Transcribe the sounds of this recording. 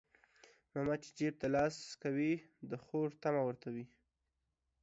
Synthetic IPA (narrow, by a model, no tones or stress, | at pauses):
mamat͡ʃe̥d͡ʒeb̚t̪alɑskawid̪əxoɾt̪amawəɾt̪awi